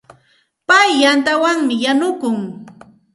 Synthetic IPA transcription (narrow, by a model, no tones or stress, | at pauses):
pajːant̪awaŋmɪjanʊkʊŋ